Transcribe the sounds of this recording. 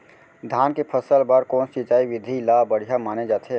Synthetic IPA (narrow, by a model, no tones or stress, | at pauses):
d̪ʱaːnkepʰəsəlbəɾkɔ̃ːnsit͡ʃaːiʋɪd̪ʱilaːbəɽ̤ijamaːned͡ʒaːt̪eː